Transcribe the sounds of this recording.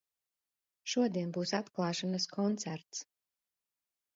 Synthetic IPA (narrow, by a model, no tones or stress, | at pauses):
ʃuɔd̪iɛnbuːsat̪klˠɑːʃanaskʰɔnt̪sæɾt̪s